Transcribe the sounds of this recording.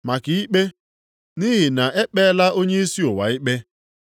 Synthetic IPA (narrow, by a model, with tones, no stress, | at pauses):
ma˨ki˨i˦k͡pe˦ | ni˦ɦɪ˨na˨ʔe˦k͡pe˦la˦ʔo˦ɲe˦i˦si˦o˨wa̰˨ɪ˦k͡pe˦